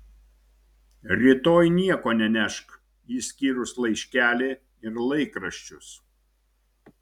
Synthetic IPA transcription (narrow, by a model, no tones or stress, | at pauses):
ɾʲit̪oːjnʲiɛkoːnʲɛnʲɛʃk | iːsʲkʲiːɾʊslˠɐɪʃʲkʲæːlʲe | ɪɾlˠɐɪkɾɐʃʲt͡ʃʲʊs